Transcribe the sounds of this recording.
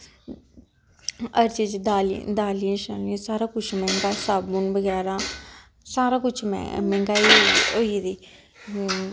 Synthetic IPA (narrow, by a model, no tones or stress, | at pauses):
əɾt͡ʃit͡ʃd̪aːld̪aːlijãʃənĩsaːɾãːkʊt͡ʃʰmɛ̃ːŋɡaːsaːbmunbəɡɛːɾãː | saːɾãːkʊt͡ʃʰmɛ̰mɛ̃ːŋɡaːioːid̪iː